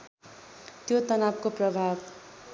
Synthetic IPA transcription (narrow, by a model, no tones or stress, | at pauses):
t̪jot̪ʌnab̚koprʌbʱab